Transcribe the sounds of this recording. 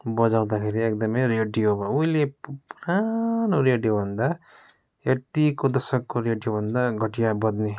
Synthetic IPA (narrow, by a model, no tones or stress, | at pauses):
bʌd͡zaw̃d̪akʰeɾiek̚d̪ʌmʌjreɖijobʌuilepuɾanoɾeɖijobʱʌnd̪a | et̪ikod̪ʌsʌkːoɾeɖijobʱʌnd̪aɡʱʌʈijabʌd̪ne